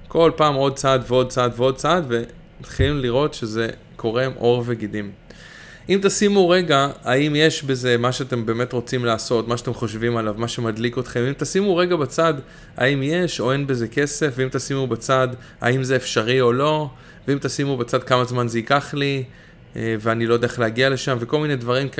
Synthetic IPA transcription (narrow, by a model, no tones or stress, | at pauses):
kʰo̞lpaːmo̞d̪̚t͡sadveo̞d̪̚t͡sad̪veo̞d̪̚t͡sad̪ve̞ | mat̪χilimliʁo̞tʃe̞ze̞ | kʰo̞ʁe̞mʔo̞ʁveɡid̪im | imt̪asimuʁe̞ɡaaimje̞ʃbe̞ze̞maʃeat̪e̞mbe̞ːme̞t̪ʁo̞t͡simlaːso̞tmaʃat̪e̞mχo̞ʃvimalavmaʃe̞mad̪liko̞t̪χemimt̪asimuʁe̞ɡabat͡sad̪ | a̰imje̞ʃo̞enbeze̞ke̞se̞fveimt̪asimubat͡sad̪ | a̰imzeːfʃaʁio̞lo̞ | veimt̪asimubat͡sad̪̚kamazmanzeikaχli | eveanilodeaχleaɡiale̞ʃamveko̞lmined̪vaʁim